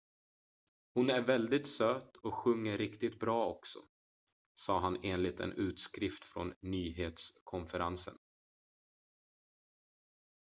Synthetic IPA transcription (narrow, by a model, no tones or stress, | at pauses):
hʊnæɾvɛld̪ɪt̪søːt̪ɔɧɵŋːəɾɪkt̪ɪt̪̚bɾɑːɔksɔ̰ | sɑːɦaneːnlɪt̪ʰɛ̰nʉ̟ːt̪skɾɪft̪fɾɔ̰nːyːɦeːt̪skʰɔnfəɾa̰nsə̰n